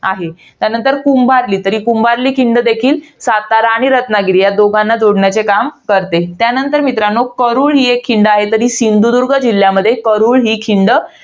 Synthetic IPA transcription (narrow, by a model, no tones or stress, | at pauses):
aɦe | t̪janənt̪əɾkumbaɾliːt̪əɾiːkumbaɾliːkʰiɳɖəd̪ekʰiːlsat̪aɾaːɽ̃iɾət̪naɡiɾiːjad̪oɡãnːad͡zoɽɳjat͡sekamkəɾt̪et̪janənt̪əɾmit̪ɾanokəɾuːɭɦiːekʰːiɳɖəaɦet̪əɾiːsind̪ud̪uɾɡʱəd͡ʑilːjaməd̪ʱːjekəɾuːɭɦiːkʰiɳɖə